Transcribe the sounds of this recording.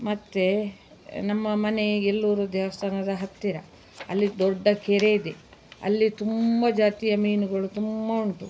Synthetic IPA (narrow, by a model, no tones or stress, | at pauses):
mɐt̪ːe | nɐmːɐmɐne̞elːuːɾud̪ɛːʋɐst̪ʰaːnɐd̪ɐɦɐt̪ːiɾɐ | ɐ̰lːid̪ɔɖːɐkeɾeid̪eɐ̰lːit̪umbɐd͡ʒaːt̪ijɐmiːnuɡɐɭut̪umbɐuɳʈu